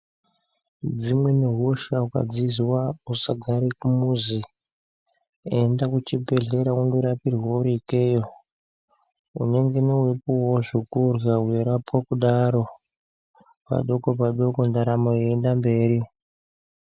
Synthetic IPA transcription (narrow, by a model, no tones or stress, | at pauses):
d͡zimwe̞neɦoʃauka̰d͡zizwausaɡʱaɾikumuzi | endakut͡ʃibʱe̞ɮe̞ɾaundoɾapirwauɾikejo | ṵne̞ŋɡe̞newepuwoʐikurwaɦweɾapwakuɗaɾo̞ | pa̰ɗo̞ko̞paɗo̞ko̞ndaɾamoeendambe̞ːɾi